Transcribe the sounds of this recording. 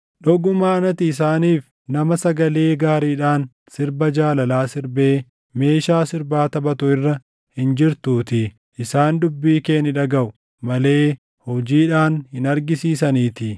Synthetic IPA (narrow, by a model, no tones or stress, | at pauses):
ᶑɔɡʊmaːɐnɐt̪ɪːsaːniːf | nɐmɐsɐɡɐle̞ːɡaːɾiːᶑaːn | sɪɾbɐd͡ʒaːlɐlaːsɪɾbe̞ː | me̞ːʃaːsɪɾbaːt̪ɐbɐt̪ʊɪrːɐ | hɪnd͡ʒɪɾt̪uːt̪ɪ | ʔɪsaːnd̪ʊbːiːkeːnɪᶑɐɡɐʔʊ | mɐle̞ː | hɔd͡ʒiːᶑaːnhɪnɐɾɡɪsiːsɐniːt̪ɪ